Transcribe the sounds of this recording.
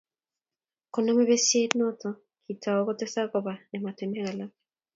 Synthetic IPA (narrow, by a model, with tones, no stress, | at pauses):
kɔ˨nɔ˦me˦βe˦se˦tnɔ˦tɔ˨ | kʰi˨ta˨ɔ˦kɔ˦tɛ˦sa˦kɔ˨ba˨nɛ˨ma˨tɛ˨mɛ˦ɣa˨la˦